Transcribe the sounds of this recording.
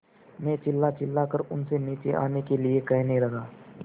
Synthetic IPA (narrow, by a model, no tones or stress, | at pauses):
mẽːt͡ʃɪlːat͡ʃɪlːakəɾʊnseniːt͡ʃeʔa̰ːnekeliekɐɦnĩlɐɡaː